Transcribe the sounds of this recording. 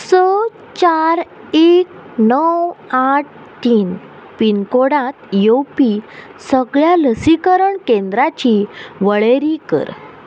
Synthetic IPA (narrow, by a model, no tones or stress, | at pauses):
sə | t͡ɕaɾ | ek | nəwaʈ̚ʰ | tːiːn | pinkoɽãt̪jopisəɡɭjaləsikəɾəɳkẽnd̪ɾat͡ɕiʋəɭeɾikə̰ɾ